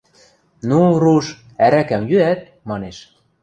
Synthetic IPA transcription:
nuruʃ | æɾækæmjyæt̪̚ | mɑneʃ

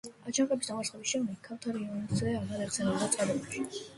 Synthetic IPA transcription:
at͡ʃʰaqʼɛbisd̪amaɾsχɛbisʃɛmd̪ɛkʰːaft̪ʰaɾiɔnzɛaɾɡad̪at̪sʰɛnɛbd̪at̪sʼqʼad̪ɛbuʃi

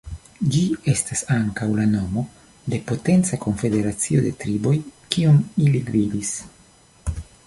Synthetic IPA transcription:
d͡ʒie̞stasaŋkawlano̞mo̞ | de̞po̞te̞nt͡sako̞ɱfe̞de̞ɾat͡sio̞de̞tɾibo̞jkiomiliɡvidis

